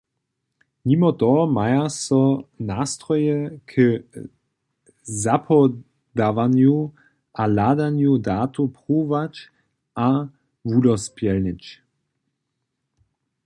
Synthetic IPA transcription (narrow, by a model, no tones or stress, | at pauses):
mimɔt̪ɔmajasɔnaːst̪ʁɔjɛkʰə | zapʰɔ | d̪avanju | ʔalad̪anjudaːt̪ʰupʁuːvat͡ʃ | ʔa | vudɔspjɛlnɪt͡ʃ